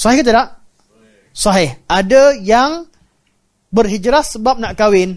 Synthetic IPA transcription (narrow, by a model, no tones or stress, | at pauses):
sɔɦɪhkit̪ədaʔ | sɔɦɪhadajaŋ | bərɦid͡ʒɾasəbap̚naʔkawɪn